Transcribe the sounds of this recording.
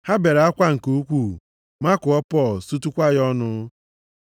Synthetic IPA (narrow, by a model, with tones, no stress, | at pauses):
ha˦be˨ɾa˦kʷa˦ŋ̩˨ko˦kʷu˦˨ | ma˦kʊ˨ɔ˦pɔ˦˨su˦tu˦kʷa˦ɣɔ˦nʊ˦